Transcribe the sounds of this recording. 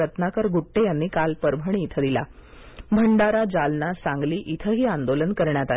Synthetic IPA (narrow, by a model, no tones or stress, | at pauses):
ət̪nakəɾɡuʈːejanːiːkalpəɾbʱəɳ̃iːt̪ʰəd̪ila̰ | bʱəɳɖaɾad͡zalnasãŋɡliːʔit̪ʰəɦiːãnd̪olənkəɾɳjat̪a